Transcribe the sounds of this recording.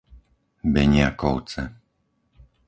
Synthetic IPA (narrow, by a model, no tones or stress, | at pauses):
bɛɲɪakɔʊt͡sɛ